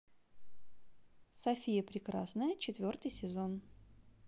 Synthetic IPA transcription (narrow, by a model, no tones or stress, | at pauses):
sɐfʲijəpɾʲɪkɾasnəjət͡ɕɪt̪vʲo̞rt̪ɨjsʲɪzon